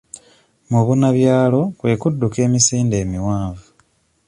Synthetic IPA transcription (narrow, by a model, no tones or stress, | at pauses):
muβunaβjaːlo̞kwe̞ːkudːuke̞ːmisiːnde̞ːmiwaːɱvu